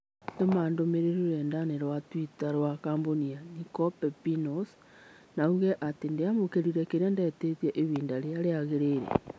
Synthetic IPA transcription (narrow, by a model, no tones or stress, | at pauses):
tomandomeɾeɾuɾɛndaneɾwatwitaɾwakaːmbonianikɔpɛpinɔs | nauɣɛʔatendeamokeɾiɾɛkeɾeandɛːtetjɛʔeβiːndaɾeaɾeaɣeɾeːɾḛ